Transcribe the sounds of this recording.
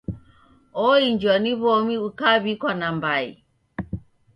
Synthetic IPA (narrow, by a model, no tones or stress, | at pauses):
ɔiɲd͡ʒaniβɔmiukaβikwanambaḭ